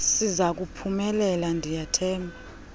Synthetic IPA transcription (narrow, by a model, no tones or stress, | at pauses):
sizak̬upʰumɛlɛlandʱijatʰɛːmbʱa